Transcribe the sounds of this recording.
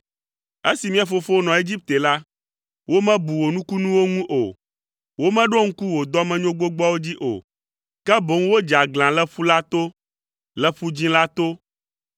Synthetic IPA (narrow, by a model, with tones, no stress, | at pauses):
e˦si˨mĩ˦a˨fo˦fo˦o˦nɔ̃˨e˦d͡ʑi˦p̚t̪e˨la˦ | wo˦mɛ̃˦bu˨wo˨nũ˦ku˦nũ˦wo˦ŋũ˦ʔo˨ | wo˦mɛ̃˦ɖo˦ŋ̩˦ku˦wo˨d̪ɔ˦mɛ̃˦ɲõ˦ɡ͡bo˦ɡ͡bɔ˦wo˦d͡ʑi˦ʔo̰˨ | kɛ˦bo˨ŋ˦wo˦d͡ʒa˨ɡl̃ã˨lɛ˦ɸu˦la˦t̪o˦ | lɛ˦ɸu˦d͡ʑĩ˦la˦t̪o˦